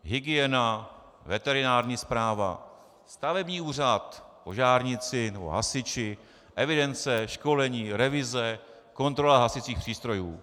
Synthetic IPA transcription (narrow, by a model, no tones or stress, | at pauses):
ɦɪɡɪjɛna | vɛt̪ɛɾɪnaːɾɲiːspɾaːva̰ | st̪avɛbɲiːuːr̝at̪poʒaːɾɲɪt͡sɪnɛbo̰ɦa̰sɪt͡ʃɪ | ʔɛvɪdɛnt͡sɛʃko̞lɛɲiːɾɛvɪzɛ | ko̞nt̪ɾo̞laɦasɪt͡siːxpr̥iːst̪ɾo̞juː